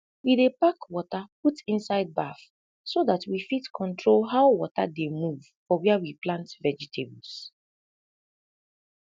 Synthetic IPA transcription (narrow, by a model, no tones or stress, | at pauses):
widepakwɔtaputĩnsaɪd̚baf | soðatwifitkʰɔ̃ntɹolɦaʊwɔta̰demuv | fɔwɛawiplãntvɛd͡ʒɛtʰebs